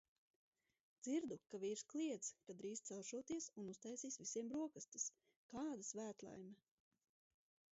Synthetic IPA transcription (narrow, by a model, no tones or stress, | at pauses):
d̪z̥iɾd̪ukaviːɾsklˠiɛt̪skad̪ɾiːst̪sɛlˠʃuɔt̪iɛsunust̪ɛjsiːsvisiɛmbɾuɔkast̪i̥s | kaːd̪ɐsvæːt̪lˠa̰jmɛ